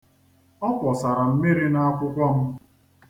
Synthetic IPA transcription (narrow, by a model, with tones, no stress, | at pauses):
ɔ˦pɔ˨sa˨ɾa˨m̩˦mi˦ɾi˦na˦a˦kʷʊ˦kɔ˦mʊ˦